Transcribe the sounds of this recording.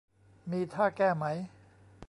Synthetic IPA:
miː˧t̪ʰaː˥˩kɛː˥˩ma˦˥j

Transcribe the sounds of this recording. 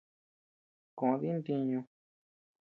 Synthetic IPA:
kõ˨˧ði˦nd̪i˧ɲũ˧

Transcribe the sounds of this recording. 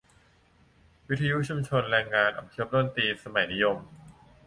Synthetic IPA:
wi˦˥t̪ʰːa˧ju˦˥ʔt͡ɕʰu˧mt͡ɕʰo˧nɾɛː˧ŋːaː˧nʔa̰˨˩mkʰɯ˦˥p̚do˥˩˨nt̪iː˧sa˧ma˨˩˦jni˦˥jo˧m

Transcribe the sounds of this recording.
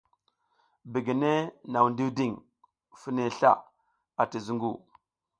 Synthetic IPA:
bi˨ɡi˨ne˦na˨wndi˦wdi˦˨ŋ | fi˦ne˨ɬa̰˦˨ | a˨ti˨zu˦ŋɡu˦˨

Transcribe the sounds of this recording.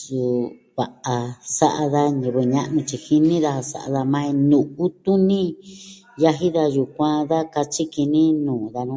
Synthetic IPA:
su˧ | βa˨ʔa˧sa̰˦ʔa˧ða˧ɲĩ˧βe˧ɲã˧ʔnũ˧t͡ʃi˧hi˧nĩ˦ða˧a˧sa̰˧ʔa̰˧ða˧mã˦˧ĩ˧nũ˨u˦t̪u˦nĩ˦ | ja˧ɦi˦ða˧ju˧˨kʷã˦˧ða˦ka˧t͡ʃi˦ki˧nĩ˦nũː˨ða˧nũ˦˧

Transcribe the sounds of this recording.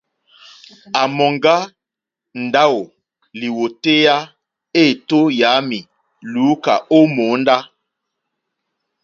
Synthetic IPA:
a˨mɔ˨ŋɡa˦ | n̩˨da˦wo˨ | li˨wo˨te˦ja˦ | e˦˨to˦ja˨˦mi˨ | luː˨˦ka̰˨o˦moː˨˦n˦da˦

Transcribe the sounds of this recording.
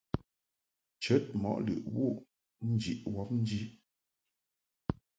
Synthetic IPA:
t͡ʃə˨˦t̚mɔ̰˨˦ʔlɨ̰˨ʔwu˦˨ | n̩˦d͡ʒḭ˨ʔwɔ˦p̚n̩˦d͡ʒi˦

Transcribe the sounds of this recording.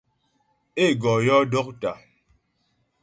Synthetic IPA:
e˦˨ɡɔ˨jɔ˦do˦k̚ta˨

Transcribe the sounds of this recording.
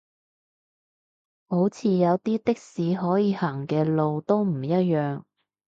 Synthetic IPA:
ho˨˥wt͡sʰiː˨˧jɐ˨˧wt̪iː˥t̪ɪ˥k̚siː˨˧ɦɔː˨˥jiː˨˧haː˨˩ŋkɛː˧lo˨wt̪o˥wm̩˨˩jɐ˥t̚jœː˨ŋ

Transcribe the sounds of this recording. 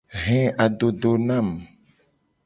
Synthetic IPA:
ɦɛ̃˦a˨dɖo˨ɖo˨nã˦˨m

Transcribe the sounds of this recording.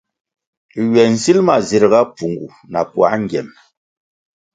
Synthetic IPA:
ɥɛ˨n̩˨si˦lma˨zi˨ɾɣa˦pu˨ŋɡṵ˨ | na˨pwa̰˨˦ŋ˦ɡjɛ˨m

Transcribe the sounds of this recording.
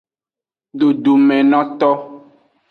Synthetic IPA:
ɖo˨ɖu˨mɛ̃˨nɔ̃˦t̪ɔ˦

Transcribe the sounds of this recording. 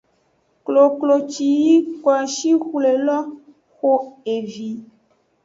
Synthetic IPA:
klo˨klo˨t͡ʃi˨ji˦kwa˨ʃi˦xu˦le˨lɔ˦ | xo˦e˨vi˨

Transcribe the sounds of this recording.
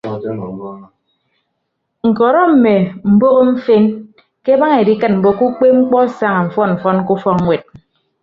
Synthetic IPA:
ŋ̩˨kɔ˨ɾɔ˦m̩˨me˨m̩˨bo˦ɣo˦ɱ̩˦fe˦n | ke˦ba˦ŋe˨di˦kɨ˦t̚m̩˨bo˦ku˦k͡pe˦ŋ͡m̩˦k͡pɔ˦sa˦ŋa˨ɱ̩˨fɔ˦nm̩˨fɔ˦n˦ku˦fɔ˦kŋʷe˨t̚

